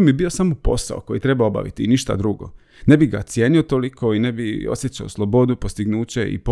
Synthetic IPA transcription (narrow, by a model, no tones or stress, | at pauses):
miebio̞samopo̞̰sa̰oko̞jit̪ɾe̞baoba̰ʋḭt̪iniʃt̪a̰d̪ɾuɡo̰ | nebiɡa̰t̪sjeːniot̪olikʰo̞ine̞bio̰sjet͡ɕaoslˠobo̞d̪upost̪iɡnuːt͡ɕe̞ḭp